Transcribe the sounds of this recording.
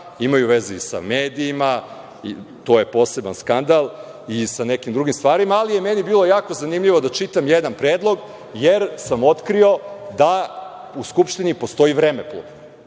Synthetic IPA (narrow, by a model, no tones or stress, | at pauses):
imajuʋezeisa̰meːd̪iːma | ḭt̪o̞ːje̞po̞ːse̞banskand̪alˠ | isane̞kimd̪ɾuɡimst̪ʋaːɾimaːlije̞menibiːlˠo̞jaːko̞zanimʎiʋo̞d̪at͡ʃit̪amjed̪anpɾeːd̪lˠo̞ɡ | jeɾsamo̞t̪kɾio̞d̪a | uskupʃt̪inipo̞st̪o̞ivɾemeplṵ